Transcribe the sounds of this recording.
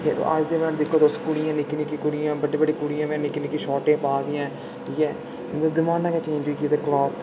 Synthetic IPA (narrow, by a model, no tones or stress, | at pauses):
kḛa̰d͡ʒd̪emɛ̃ːnd̪ɪkʰːoːd̪oskʊɽɪjãːnɪkːnĩkikʊɽijãːbəɖibəɖiːkʊɽijãːmɛ̃ːnɪkniːkiʃɔːʈẽːpaːd̪ɪjãː | ʈʰiːkɛː | nd̪ɪmaːnãːket͡ʃẽːɲd͡ʒiːkit̪eklɔːt̪